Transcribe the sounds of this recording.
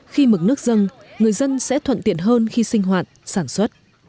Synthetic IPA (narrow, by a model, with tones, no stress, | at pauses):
xi˧mɨ˨˩k̚nɨ˦˥ək̚zə˧nŋɨ˨˩əjzə˧nsɛ̰˧˥t̪ʰwə̰˧˨nt̪ḭ˧˨ənɦəː˧nxi˧sï˧ŋ̟ɦwaː˨˩t̚saː˧˩nswə˦˥t̚